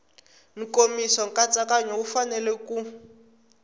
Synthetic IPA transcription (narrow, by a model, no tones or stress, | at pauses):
ŋ̩komisɔŋkat͡sʼakaɲoufanɛlɛku